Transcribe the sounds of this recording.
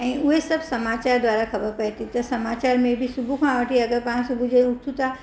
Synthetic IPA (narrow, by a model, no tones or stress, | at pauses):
ɛ̃ʊɦesɐbsɐmaːt͡ɕaːɾd̪waːɾakʰɐbəɾpɐɦt̪it̪ɐsɐmaːt͡ɕaːɾmẽbʱisubʱukʰãʋəʈʰiɐɡəɾpãːsubʱud͡ʑeut̪ʰut̪a